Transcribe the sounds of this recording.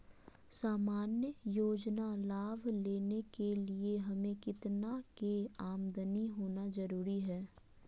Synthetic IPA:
saːmaːnjəjoːd͡ʒnalaːʋleːnekelieɦɐmẽkɪt̪nakeaːmd̪əniɦoːnazɐɾuːɾiɦɛː

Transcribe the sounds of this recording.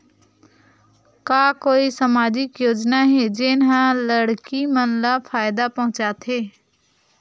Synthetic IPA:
kaːkoːisəmaːd͡ʒɪkjoːd͡ʒnaɦed͡ʒɪnɦãləɽkimənlafʰaːjd̪apɐɦʊ̃t͡ʃaːt̪ɦeː

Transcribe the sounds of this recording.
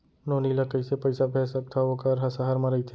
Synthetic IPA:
noːnilakɐɪsepɐɪsapʰɛːsɐk̚t̪ʰaokaɾɦasaɦaɾmɐɾɐit̪ʰeː

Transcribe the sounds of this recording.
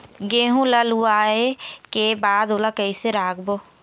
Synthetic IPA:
ɡeːɦũləluaːekebaːd̪olakəiseɾaːkʰboː

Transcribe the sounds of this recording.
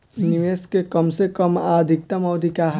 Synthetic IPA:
uniʋeːskekɐmsekəmaːd̪ʱɪk̚t̪ɐmɔːd̪ʱikaɦ

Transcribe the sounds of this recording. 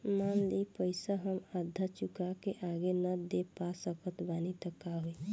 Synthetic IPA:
manlipəɪsaɦəmad̪ʱːət͡ʃukakeʔaɡenəd̪epasəkʰət̪banit̪əkːaɦui

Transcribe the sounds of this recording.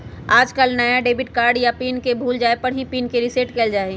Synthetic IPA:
aːd͡ʒkəlnəjaɖeːbɪʈkaːɾɖjapiːnkebʱuːld͡ʒaːepɐɽɦipiːnkeɾɪseʈkeːld͡ʒaːe

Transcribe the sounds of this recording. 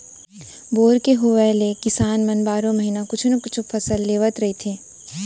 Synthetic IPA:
boːɾkeɦuʋɛlekɪsaːnmɐnbaːɾõmɐɦinakʊt͡ʃʰnɐkʊt͡ʃʰfʰɐsəlːeːʋət̪ɾɐɦit̪ʰeː

